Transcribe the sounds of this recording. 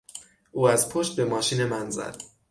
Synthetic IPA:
ʔuːæzpʰoʃt̪̚bemɒːʃiːnemænzæ̰d̪̥

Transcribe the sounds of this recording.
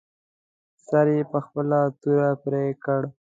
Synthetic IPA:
saɾjepəxpəlat̪uɾapɾekəɽ

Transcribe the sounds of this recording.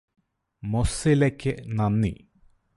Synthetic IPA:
mosilekʲːenɐnːḭ

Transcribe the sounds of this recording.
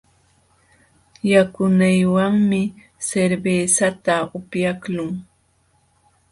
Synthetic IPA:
jakʊnajwaŋmɪ | seɾbesat̪aʊpjaklʊŋ

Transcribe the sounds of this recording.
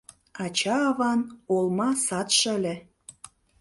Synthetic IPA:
ɑt͡ɕɑːβɑnolmɑsɑt̪ʃə̆lʲĕ

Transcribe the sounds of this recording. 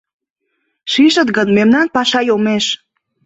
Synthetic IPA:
ʃiʃə̆t̪ɣənmemnɑnpɑʃɑjomeʃ

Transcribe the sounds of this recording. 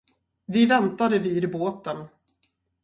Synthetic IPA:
vɪvɛnt̪ad̪əviːd̪boːt̪ən

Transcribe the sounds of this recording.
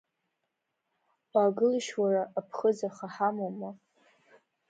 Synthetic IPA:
aɡɨlʃwaraʔːpʰχəd͡zaχaħamoma

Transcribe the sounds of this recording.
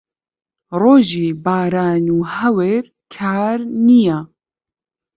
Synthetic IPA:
roːʒiːbaːɾaːnuːhɛweɾ | kʰaːɾnija

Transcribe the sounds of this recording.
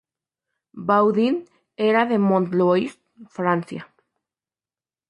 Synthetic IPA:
bawðin | eɾaðemõnt̪loist̪fɾanθja̰

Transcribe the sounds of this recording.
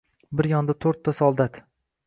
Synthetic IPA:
bɪɾjɒnd̪at̪ʰoɾt̪ʰːasɒlˠd̪at̪

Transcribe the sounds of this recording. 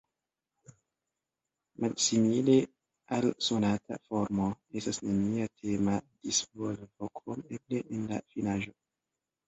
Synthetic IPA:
mʔalsimile | also̞natʰa̰fo̞ɾmoe̞stasnemiatʰe̞mad̥isvolvokɾomebleʔenla̰finaʒo̞

